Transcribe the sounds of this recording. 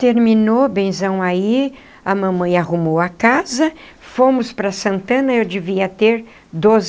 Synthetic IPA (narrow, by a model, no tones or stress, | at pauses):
t̪eɾmĩnobẽj̃zɐ̃w̃ai | ɐmɐ̃mɐ̃j̃ahumowɐkazɐ | fomʊspɾɐsɐ̃nt̪ɐ̃nɐewd͡ʒɪviɐt̪eɾ | d̪oz